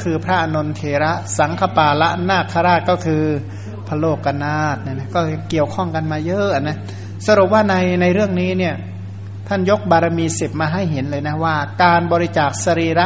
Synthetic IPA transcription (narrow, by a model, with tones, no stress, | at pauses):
kʰɯː˧pʰɾa˦˥ʔa˧no˧nt̪ʰeː˨˧˦ɾa˦˥ʔsa˩˦ŋkʰa˧paː˧˩la˦˥ʔnaː˥˩k̚kʰːa˧ɾaː˥˩t̪̚kɔː˥˩kʰɯː˧ | pʰa˧loː˥˩kːa˧naː˥˩t̪̚na˧˩na˦˥kɔː˥˩˧ki˨˩əwkʰɔ˥˩ŋka˧nmaː˧jɤː˦˥ʔa˨˩na˦˥ | sa˧ɾu˨˩p̚waː˥˩na˧jna˧jɾɯ˥˩əŋniː˦˥ni˥˩ɐ | t̪ʰa˥˩njo˦˥k̚baː˧ɾa˧miː˧se˨˩p̚maː˧ɦa˥˩jɦe˩˦nlɤː˧jna˦˥waː˥˩kaː˧nbɔː˧ɾi˦˥t͡ɕaː˨˩k̚sa˧ɾiː˧˩ɾa˦˥